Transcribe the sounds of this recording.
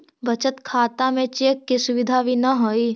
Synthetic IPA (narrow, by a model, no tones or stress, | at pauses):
bɐt͡ʃət̪kʰaːt̪amẽt͡ʃeːkːisʊʋɪd̪ʱaʋinɐɦoːiː